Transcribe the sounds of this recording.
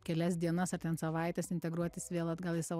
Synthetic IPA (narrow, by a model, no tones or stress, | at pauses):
kʲɛlʲɛsd̪ʲiɛnɐsɐrt̪ʲɛnsɐʋɐɪt̪ʲɛsɪnʲt̪ʲɛɡɾuɔt̪ʲɪsʋʲeːlˠɐd̪ɡɐlˠɪsɑːʋ